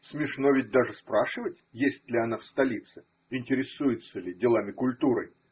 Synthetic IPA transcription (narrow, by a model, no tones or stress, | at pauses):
smʲɪʂno̞vʲɪt̚ʲd̪aʐɨspɾaʂɨvətʲjesʲtʲlʲɪɐnafst̪ɐlʲit̪sɨ | ɪnʲtʲɪɾʲɪsujɪt̪səlʲɪdʲɪlˠamʲɪkʊlʲt̪uɾɨ̰j